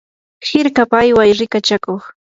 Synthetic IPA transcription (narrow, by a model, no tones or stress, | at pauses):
hɪɾkapajwajɾɪkat͡ʃakoχ